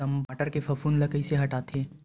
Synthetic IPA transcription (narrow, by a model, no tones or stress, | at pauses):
ɐmbaːʈəɾkefʰɐfʰuːnlɐkəiseɦɐʈaːt̪ʰeɛ̃ː